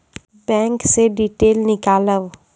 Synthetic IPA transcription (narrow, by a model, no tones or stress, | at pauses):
bɛ̃ːŋkseɖiːʈeːlnɪkaːləʋ